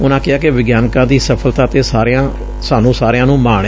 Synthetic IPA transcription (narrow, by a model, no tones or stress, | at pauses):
ʊnãːkɪaːkɪʋɪɡjaːnkãːd̪iːsəpʰəlt̪aːt̪eːsaːɾeãː | saːnũːsaːɾejãːnũːmaːɳ